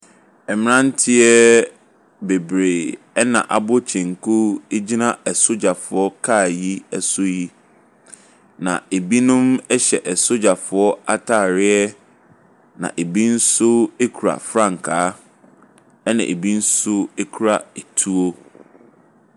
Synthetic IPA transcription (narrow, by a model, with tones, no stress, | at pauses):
ɛ˨mɪ̃˦nã˦n˦tʰɪ˦ɛ˦ | be˨bɾeː˨ | ɛ˦nã̰˨ʔa˨bʊ˦t͡ɕʰɛ̃˨ŋ˨kʰu˦e˦d͡ʑi˦nã˦ɛ˨sʊ˦d͡ʑa˨fʊ˨ɔ˦kʰa˦˨ji˦ɛ˦sʊ˦ji˦ | nã̰˨e˨bi˦nʊ̃˦mɛ˦ɕɛ˨ʔɛ˨sʊ˦d͡ʑa˨fʊ˨ɔ˦a˦tʰaː˦˨ɾɪ˦ɛ˦ | nã̰˨ʔe˨bi˦n̩˦sʊ˦e˦kʰu˨ɾa̰˨fɾã˦˨ŋ˨kʰaː˨˦ | ɛ˦nã̰˨ʔe˨bi˦n̩˦sʊ˦e˦kʰu˨ɾa˨e˨tʰu˦o˦